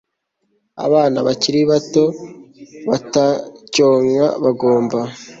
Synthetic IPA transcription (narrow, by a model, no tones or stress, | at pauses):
a̰βaːnaβaciɾiβato̞ | βatacoːŋaβaɡoːmba